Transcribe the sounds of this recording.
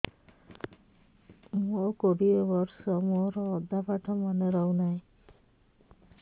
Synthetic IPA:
mokoɽiebɔɾsɔmoɾɔːd̪apaʈʰɔmaneɾɔwnaj̃

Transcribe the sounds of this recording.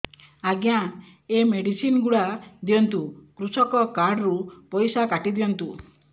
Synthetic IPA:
aɡjã | emeɽisinɡuɽad̪ijɔnt̪ukɾusɔkɔkaɾɖɾupɔjsakaʈid̪ijɔnt̪u

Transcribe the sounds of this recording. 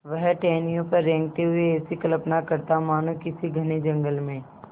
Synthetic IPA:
ʋɐɦʈɛːnijõpɐɾːɛ̃ːŋɡ̚t̪eɦʊeːsikɐləpnakɐɾt̪amaːnõkɪsiɡʱɐned͡ʒɐ̃ŋɡəlmẽ

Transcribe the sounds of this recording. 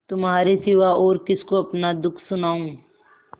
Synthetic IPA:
t̪ʊmɦaːɾesɪʋaɔːɾkɪskoɐpnad̪ʊkʰsʊnaːũː

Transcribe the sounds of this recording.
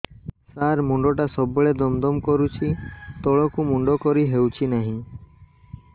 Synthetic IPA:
saɾmuɳɖɔʈasɔbɔɭed̪ɔmd̪ɔmkɔɾut͡ʃʰit̪ɔɭɔkumuɳɖɔkɔɾiɦewt͡ʃʰinaɦĩ

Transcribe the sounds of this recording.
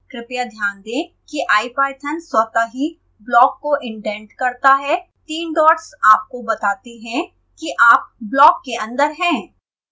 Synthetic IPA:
kɾɪpjad̪ʱjaːnd̪ẽː | kiʔaːipaːɪʈ̪ʰənswɐt̪aɦi | blɔːkːoʔɪ̃ɳʈɛ̃ːɳʈkɐɾt̪aɦɛ | t̪iːnɖɔːʈsaːp̚kobɐt̪aːt̪iɦɛ̃ | kiʔaːp̚blɔːkːeɐ̃nd̪əɾɦɛ̃ː

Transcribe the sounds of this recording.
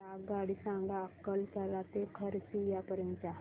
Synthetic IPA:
aɡaɽiːsãŋɡaəkːəlkəɾat̪ekʰəɾsijapəɾjənt͡ʃaɦ

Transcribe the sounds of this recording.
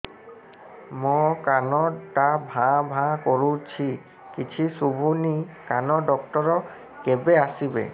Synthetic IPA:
mɔkanɔtabʱãbʱãkoɹut͡ɕʰi | kit͡ɕʰisubʱunikanɔɖɔkʈɔɹɔ | kebeasibḛ

